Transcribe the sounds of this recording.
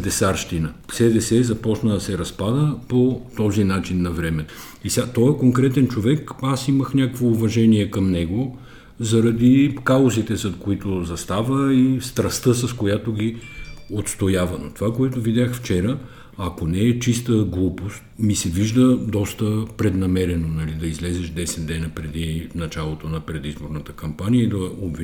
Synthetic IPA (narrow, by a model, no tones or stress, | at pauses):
d̪ɛsaɾʃt̪inəsɛd̪ɛsɛzɐpɔt͡ʃnəd̪ɐsɛɾɐspad̪əpot̪ɔzinat͡ʃinːɐvɾɛmɛ | isʲat̪ɔjəkoŋkɾɛt̪ɛnt͡ʃovɛkasiməxnʲakkvoːvɐʒɛniɛkɐmnɛɡo | zɐɾɐd̪ikaozit̪ɛzɐt̪koit̪ozɐst̪avəist̪ɾɐst̪əsɐskojat̪oɡʲiot̪st̪ojavənot̪ovakoɛt̪ovid̪ʲaxft͡ʃɛɾə | ɐkonɛːt͡ʃist̪əɡlˠupost̪̚misɛviʒd̪əd̪ɔst̪əpɾɛd̪nɐmɛɾɛnonɐlid̪ɐizlɛzɛʃd̪ɛsɛt̪d̪ɛnəpɾɛd̪inɐt͡ʃalˠot̪onɐpɾɛd̪izboɾnət̪ə̥kɐmpanijəid̪ɐobvi